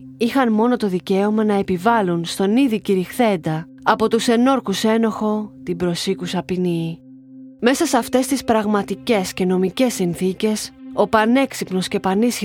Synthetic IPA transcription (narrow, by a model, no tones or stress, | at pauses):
ixɐnmo̞no̞t̪o̞ðice̞o̞mɐnɐe̞pivɐlunst̪o̞niðiciɾixθe̞nd̪ɐː | po̞t̪use̞no̞ɾkuse̞no̞xo̞t̪ibɾo̞sikusɐpini | me̞sɐsɐft̪e̞st̪ispɾɐɣmɐt̪ice̞sce̞no̞mice̞sinθice̞so̞pɐne̞ksipno̞sce̞pɐnis